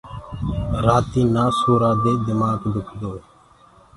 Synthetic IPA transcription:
ɾaːt̪iːnaːsoːɾaːd̪eːd̪ɪmaːɡd̪ʱʊkʰd̪oː

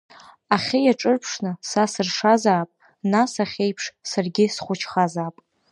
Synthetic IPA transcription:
aχʲɪjaʈ͡ʂʼɨrpʰʂnɨsasɨrʂazaːpʼ | nasaχʲejpʰʂsarɡʲɪsχʷʊt͡ʃʰχazaːpʼ

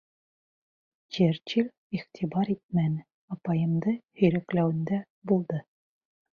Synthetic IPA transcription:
t͡ɕeɾt͡ɕilʲ | iʁt̪ʰibɑɾit̪̚mænɘ | ɒpɑjɤ̆md̪ɤhɵ̆jɾæklæwɘ̆nd̪æ | bulˠd̪ɤ

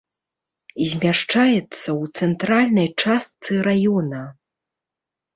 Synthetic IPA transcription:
zʲmʲaʂt͡ʂajɛt̪sːɐwt̪sɛnt̪ɾalʲnɐjt͡ʂast̪sɨɾajɔnɐ

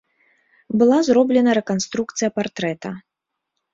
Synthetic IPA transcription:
bɨlˠazrɔblʲɛnɐɾɛkanst̪ɾukt̪sɨjɐpart̪ɾɛt̪ɐ

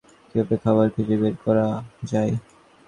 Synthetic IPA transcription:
kiɔpekʰːabaɾfʰiɾebeɾkɔɾad͡ʑae

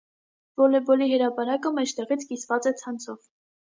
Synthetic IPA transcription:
vɔlɛbɔliɦəɾɑpɑɾɑkəmɛt͡ʃʰt̪ɛʁit͡sʰkisvɑt͡sɛt͡sʰɑnt͡sʰɔv

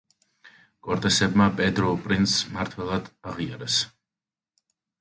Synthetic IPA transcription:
kʼɔɾt̪ʼɛsɛbmapʼɛd̪ɾɔpʼɾint̪smaɾt̪ʰwɛlˠad̪̥aʁiaɾɛs

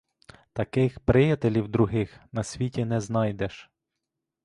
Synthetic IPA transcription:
t̪ɐkɪxpɾɪjɐt̪elʲiwd̪ɾʊɦɪxnɐsʲʋʲitʲinɛznɑjd̪ɛʃ

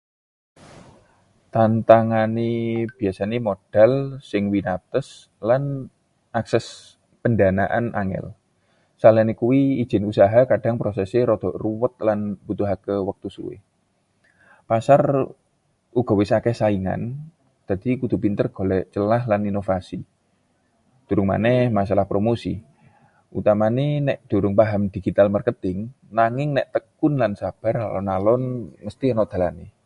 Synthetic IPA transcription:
t̪ant̪aŋaneb̥i̤asanemoɖ̥a̤lsɪŋwinat̪əs | lan | ʔaksɛs | pəndanaʔanʔa̰ŋɛ̰l | salanekuwi̥ːʒ̥ɪ̤nusaɦakad̥aŋpɾosɛseɾɔd̪̥ɔ̤ʔruwət̪̚lanbut̪uɦakəwək̚t̪usṵwḛ | pasar | uɡ̥ɔ̤wesakɛhsaiŋa̰n | d͡ʒ̪̥ad̪̥ikud̪̥ṳpint̪ərɡ̥o̤lɛt͡ʃəlaɦlaninofasi | d̥ṳɾʊŋma̰nɛhmasalahpɾomosḭ | ʔut̪amanenɛʔd̪̥ṳɾʊŋpaɦamd̪̥iɡ̥it̪almərkət̪ɪŋ | naŋɪŋnɛʔt̪əkʊnlansab̥a̤ra̰lɔ̰nalɔnməst̪inod̪̥a̤lane

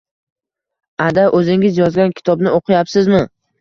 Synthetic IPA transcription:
ad̪aʔɵzɪŋɪzjɒzɡʲankʲʰɪ̥t̪ʰɒbnɪʔoqʰɨjapsɪzmɪ

